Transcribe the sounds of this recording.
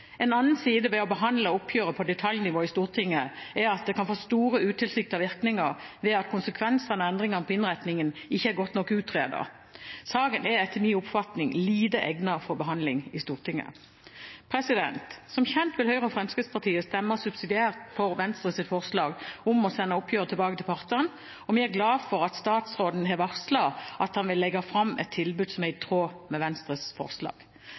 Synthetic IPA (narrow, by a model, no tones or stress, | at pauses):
ɛːnɑnn̩siːd̪əʋɛɔbəɦɑnd̪ləʊpʰjøːʁəpʰɔd̪ɛt̪ʰɑljnɪʋoːɪst̪uːʁt̪ʰɪŋːəɛɾɑt̪̚d̪ɛkʰɑnfoːst̪uːɾəʉːt̪ʰɪlsɪkt̪ɑʋɪʁknɪŋəʁʋɛɑt̪kʰʊnsəkʰʋɛnsənəɛnd̪ʁɪŋɑnəpʰɔɪnʁæt̪nɪŋənɪçːəæɾɡɔt̪nɔkːʉːt̪ʰːʁeːd̪ə̰ʁ | sɑːɡənɛɛt̪ʰːəmiːʊpfɑt̪nɪŋliːd̪əʔɛɡnɑfɔʁbəɦɑnd̪lɪŋɪst̪uːʁt̪ɪŋːə̰ | pʰʁɛsɪd̪ɛ̰nt̪sɔmçɛnt̪ʋɪlhœʏʁəəfɾɛmskʁɪt̪spɑʁt̪ʰiːəst̪ɛmːəsʉbsɪd̪ɪæːʁt̪fɔʁʋɛnst̪ɾəsɪt̪fɔʁslɑːɡʊmɔsɛnːəɔpʰjøːʁət̪ʰɛlbɑːɡət̪ʰɪlpʰɑʁt̪əʁən | ɔmɪæɾɡlɑːfɔʁɑt̪st̪ɑːt̪sʁoːd̪n̩hɛʋɑʁslɑʔɑt̪hɑnʋɪlːɛɡɑfʁɑmːʔɛ̰t̪ʰːɪlbʉd̪sɔmæɪt̪ʰʁoːmɛʋɛnst̪ʁəsfɔ̰ʁslɑ̰ːɡ̥